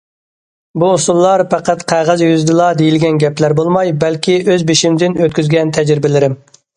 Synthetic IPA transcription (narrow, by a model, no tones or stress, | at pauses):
buːsulˠːɑɾpæqæt̪qʰæʁæzjyzd̪ɨlˠɑd̪ejilɡʲɛnɡʲɛplæɾbolˠmɑjbɛlkʲiøzbeʃimd̪ɪnøt̪kʲyzɡʲɛnt̪ʰɛd͡ʒɾɪbɪlɪɾɪm